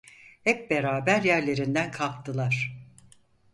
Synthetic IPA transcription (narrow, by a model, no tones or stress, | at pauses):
hɛp̚beɾaːbæɾjæɾlʲe̞ɾind̪ænkʰalˠkt̪ʰɯlˠaɾ̥